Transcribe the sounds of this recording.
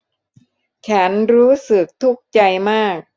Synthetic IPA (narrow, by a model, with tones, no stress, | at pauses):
t͡ɕʰa˦˥nɾuː˦˥sɯ˨˩k̚t̪ʰu˦˥˩k̚t͡ɕa˧jmaː˥˩k̚